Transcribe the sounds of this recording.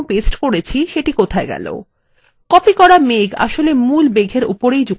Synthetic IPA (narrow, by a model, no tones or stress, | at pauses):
pesʈkoɾet͡ɕʰiʃeʈikot̪ʰaeɡɛ̰lo̰ | kɔpikɔɾameɡa̰ʃolemulbeɡʱeɾṵpoɾejd͡ʑu